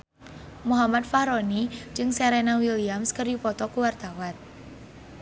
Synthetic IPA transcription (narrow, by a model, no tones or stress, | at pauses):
muɦamat̪faɾonid͡ʒɨŋsɛɾenawiliamskəripɔt̪ɔkuward̪̥awat̪̚